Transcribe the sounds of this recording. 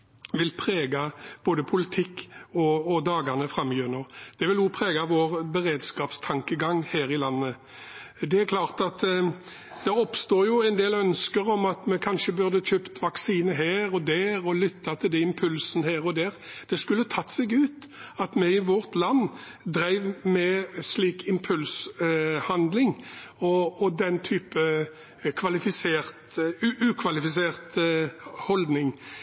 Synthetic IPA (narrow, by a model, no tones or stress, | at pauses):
ʋɪlpʰʁeːɡɑb̥oːd̪əpʰʊlɪt̪ʰɪkːɔːd̪ɑːɡɑnəfʁɑmːjøːnəʁd̪̥ɛʋɪljʊpʰʁeːɡɑʋoːʁbəʁeːd̪skɑːpst̪ʰɑŋkəɡɑŋhæːɾɪlɑnːə | d̪ɛæɾklɑːʁt̪ɑt̪ | d̪̥ɛɔpst̪oːjʊɛnd̪eːlœnskəʁɔmɑt̪mɛkʰɑnʃəbʉʁd̪ət͡ʃøːpt̪ʋɑksiːnəɦeːʁɔd̪æːʁɔlʏt̪ʰːɑt̪ʰɪld̪ɛɪmpʰʉlsn̩əhæːʁɔd̪æːʁd̪̥ɛskʉlːət̪ʰɑt̪ːsɛɡʉːt̪ɑt̪mɛɪʋɔʁt̪lɑnː | d̪ɾæɪʋmɛsliːkʰɪmpʰʉlshɑnd̪lɪŋɔːd̪ɛnt̪ʰyːpə | kʰʋɑlɪfɪseːʁt̪ʉʔʉːkʰʋɑlɪfɪs̬eːʁt̪ | hɔld̪nɪŋ